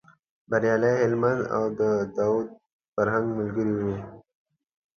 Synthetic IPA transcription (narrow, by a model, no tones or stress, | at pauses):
baɾjɑːlajɦɪlmand̪a̰wd̪əd̪awud̪̚ | faɾɦãŋɡməlɡəɾiwe